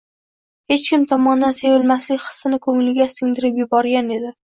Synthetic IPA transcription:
he̞t͡ʃkʲɪmt̪ʰɒmɒnd̪anse̞vɪlmaslɪkʲχɨ̥sːɪnɪkʰɵŋlɪɡʲast̪ʰɪŋd̪ɪɾɪpjʊbɒɾɡʲane̞d̪ɪ

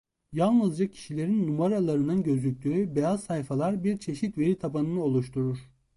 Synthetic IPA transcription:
jalˠnɯzd͡ʒacʰi̥ʃilʲe̞ɾinːumaɾalˠaɾɯnɯnɟø̞zlʲyc̚ʲlʲyːbejazsajfalˠaɾbiɾt͡ʃʰe̞ʃit̪ve̞ɾit̪ʰabanɯnɯo̞lˠuʃt̪ʰuɾuɾ̥

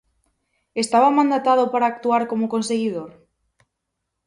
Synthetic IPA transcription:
est̪aβamãnd̪at̪aðopaɾaːk̚t̪uaɾkomokonseɣið̞oɾ

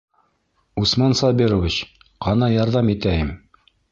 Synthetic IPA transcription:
usmɑnsɑbiɾovʲit͡ɕ | qɑnɑjɑɾðɑmit̪æjɘm

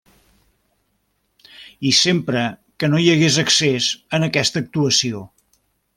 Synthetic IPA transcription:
isempɾəkənojəɣezəksezənəkɛst̪əːk̚t̪uəsio

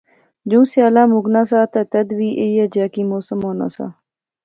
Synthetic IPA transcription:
d͡ʑũːsjaːlaːmuɡnaːsaːt̪at̪ɐd̪ʋiːʔejaːd͡ʑaːkiːmoːsəmoːna̰ːsa̰ː

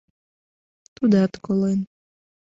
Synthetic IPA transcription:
t̪ud̪at̪kɔlˠen

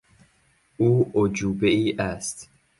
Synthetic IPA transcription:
uːʔod͡ʒuːbeiːʔæst̪

